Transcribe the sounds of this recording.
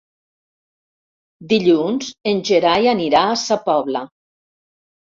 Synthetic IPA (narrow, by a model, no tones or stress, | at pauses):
d̪iʎunzenʲʒeɾajaniɾaːsapɔβla